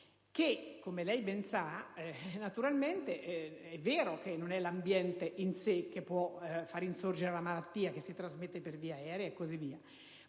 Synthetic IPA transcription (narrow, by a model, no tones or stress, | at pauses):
kekːomelɛjbɛnsa | nat̪uɾalment̪eʔɛvːeːɾokenːonɛlambjɛnt̪eʔinsek̟ːepːwɔfaɾinsord͡ʒeɾelamalat̪ːiːak̟esːit̪ɾazmet̪ːeperviːaɛːɾeaekːozivːiːa